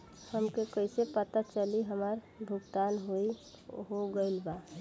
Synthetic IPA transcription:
həmkekəɪsepət̪at͡ʃəliɦəməɾ | bʱʊɡt̪anɦoi | ɦoɡəɪlba

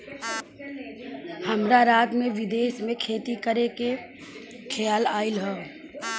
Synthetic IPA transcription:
həmɾaɾaːt̪mẽʋɪd̪eːʃmẽkʰeːt̪ikəɾeke | kʰejaːlaːɪlɦɛː

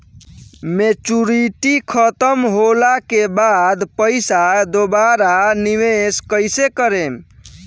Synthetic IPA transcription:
met͡ʃuɾiʈikʰət̪əmɦolakebad̪pəɪsad̪obaɾaniʋeskəjsekəɾem

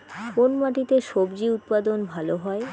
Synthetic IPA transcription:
konmaʈit̪eʃobd͡ʑiut̪̚pad̪onbʱaloɦɔe

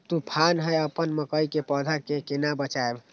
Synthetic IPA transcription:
t̪upʰanɦəjəpənməkəjkepəd̪ʱakekenabət͡ʃaeb

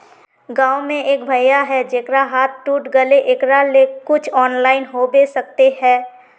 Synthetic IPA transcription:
ɡãːʊmẽʔeːk̚bʱəjaɦɛd͡ʒeːkɾaɦaːt̪̚ʰʈuːʈɡəleʔeːkɾalekʊt͡ʃʰɔːnlaːɪnɦobeːsək̚t̪eɦɛ̃ː

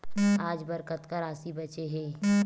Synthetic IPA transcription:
aːd͡ʒbɐɾkət̪kaɾaːsibɐt͡ʃeɦeː

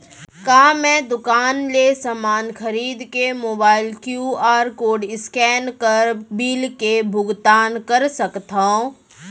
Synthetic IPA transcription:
kaːmɛ̃ːd̪ʊkaːnlesamaːnxɐɾiːd̪kemoːbaːɪlkjuːaːɾkoːɖɪskɛːnkɐɾbiːlkebʱʊɡt̪aːnkɐɾsɐkt̪aõ

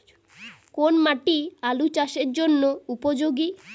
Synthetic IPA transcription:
konmaʈialut͡ɕaʃeɾd͡ʑonːoupod͡ʑoɡi

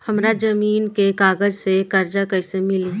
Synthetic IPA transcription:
hɐmɾad͡ʒɐmiːnkekaːɡəd͡ʒsekɐɾd͡ʒakɐɪsemɪliː

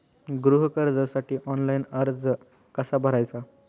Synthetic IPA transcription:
ɡɾuɦəkəɾd͡zəsaʈiːʔɔnlajinəɾd͡z | kəsabʱəɾajt͡sa

